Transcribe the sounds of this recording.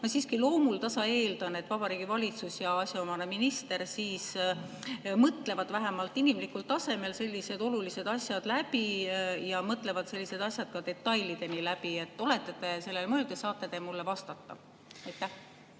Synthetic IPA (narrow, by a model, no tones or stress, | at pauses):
nɑsiːskilo̞ːmult̪ɑsɑe̞ːld̪ɑne̞t̪ːˑvɑb̥ɑɾiːɡ̥ivɑlʲit̪susjɑɑsʲɑomɑneminist̪e̞ɾsiːs | mɤt̪ˑle̞vɑd̪̥væɦæmɑlt̪ːˑinimlikːˑult̪ːˑɑse̞me̞lse̞lʲːise̞d̪̥o̞lulise̞d̪̥ɑsjɑd̪̥læbijɑmɤt̪ˑle̞vɑd̪̥se̞lʲːise̞d̪ɑsjɑd̪̥̚kɑd̪e̞t̪ːˑɑjlid̪̥e̞nilæb̥ie̞t̪ːˑo̞le̞t̪ːˑet̪e̞se̞lːelmɤːlɡ̪esɑːt̪ːˑed̪̥emulːevɑst̪ɑt̪ːɑ̰ | ɑjt̪ːˑæh